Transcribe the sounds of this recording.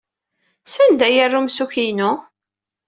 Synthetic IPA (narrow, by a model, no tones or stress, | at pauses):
sænd̪æjərːumsuçinʊ